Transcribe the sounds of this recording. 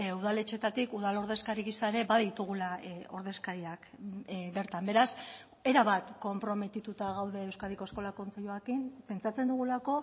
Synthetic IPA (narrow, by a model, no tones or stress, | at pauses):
uð̞ale̞t͡ʃe̞t̪at̪ikuðalo̞ɾð̞e̞skaɾiɣisaeɾe̞baðit̪uɣ̞ulao̞ɾðe̞skaɾiakbe̞ɾt̪ambe̞ɾas | e̞ɾaβat̪ko̞mpɾo̞me̞t̪it̪ut̪aɣ̞awðe̞ːwskaðiko̞sko̞lako̞nt͡se̞ʎuakimpe̞nt͡sat͡se̞nd̪uɣ̞ulako̞